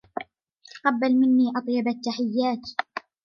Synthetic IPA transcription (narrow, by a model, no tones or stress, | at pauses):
t̪ḁqɑbːalmɪnːiːʔɑt̪ˤjɑbat̪ːaħɪjːaːt̪